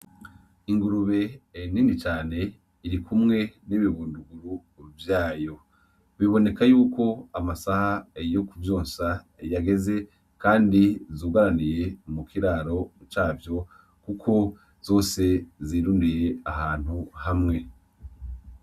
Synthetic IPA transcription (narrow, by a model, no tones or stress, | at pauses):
iŋɡuɾuβe̞ːninit͡ʃaːne̞ | iɾikʰumŋe̞niβiβuːnduɡuɾuːɾuvjaːjo̞ | βiβo̞ne̞kajuːkʰo̞amasahajo̞kuvjoːnsa | jaɡe̞ze̞ | kaːndizuːɡaɾanije̞mukʰiɾaːɾo̞t͡ʃaːvjo̞ | kukʰo̞ | z̥o̞ːse̞ziːɾuːndije̞aɦaːn̥huhamŋe̞